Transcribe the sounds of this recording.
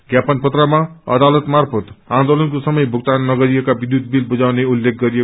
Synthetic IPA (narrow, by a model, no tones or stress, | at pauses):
ɡjapanpʌt̪ramaʌ̰d̪alʌt̪marpʰʌt̪ãnd̪olʌnkosʌmʌjbʱuk̚t̪anːʌɡʌɾiekabid̪jud̪̚bilbud͡zawneulːek̚ʰɡʌɾie